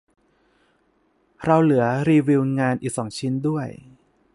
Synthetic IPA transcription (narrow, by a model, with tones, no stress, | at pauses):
ɾa˧wlɯ˩˦ɐɾiː˧wi˧wŋaː˧nʔiː˨˩k̚sɔː˩˦ŋt͡ɕʰi˦˥ndu˥˩əj